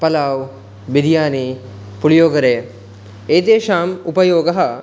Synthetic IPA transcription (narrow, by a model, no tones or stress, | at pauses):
pɐlaːw | bid̪ijaːniː | pulijoːɡɐɾejə | eːd̪eːʃaːmupɐjoːɡɐɦɐ